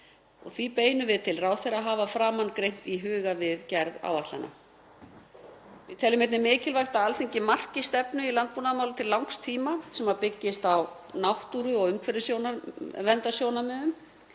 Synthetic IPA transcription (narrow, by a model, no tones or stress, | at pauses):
ɔ̰ɣθvipeːjnʏvɪðt̪ʰɪlraːwθɛjɾaɦaːvafɾaːmankɾejn̥t̪iɦʏːɣavɪðcɛɾða̰wvaht̪lana̰ | vɪt̪ʰɛlːʏmɛt̪nɪmɪːcɪlvajxt̪aalθiɲcɪmar̥cɪst̪ɛpnʏilant̪̚punamaːwlat̪ʰɪllːawŋkst̪ʰiːmasɛmaðpɪcːɪst̪aw | nawht̪uɾʏɔɣʏmkʰvɛɾɪsjoːwnavɛnt̪asjoːwnamɛːðʏm